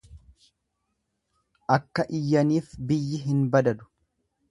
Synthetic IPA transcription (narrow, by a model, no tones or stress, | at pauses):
ʔɐkːɐʔɪjːɐniːfbɪjːɪɦɪnbɐd̪ɐd̪ʊ̥